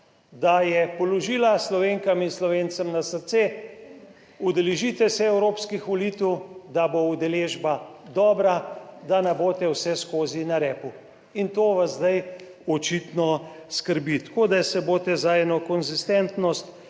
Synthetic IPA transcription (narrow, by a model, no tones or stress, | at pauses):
d̪ajɛpɔlɔʒiːlaslɔʋeːŋkaminslɔʋent̪səmnasəɾt̪se | ud̪ɛlɛʒit̪ɛsɛɛwɾoːpskixʋɔliːt̪wd̪aboud̪ɛleːʒbad̪ɔːbɾad̪anɛboːt̪ɛwsɛskoːzinaɾɛːpu | int̪oːʋazd̪aj | ɔt͡ʃit̪nɔskəɾbit̪koːd̪asɛboːt̪ɛzaɛːnɔkɔnzist̪ɛnt̪nɔst̪